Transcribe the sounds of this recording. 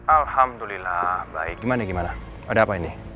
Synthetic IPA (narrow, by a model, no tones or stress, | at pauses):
alhamd̪ulilabʱa̰jɡimaneɡimana | əɖapajni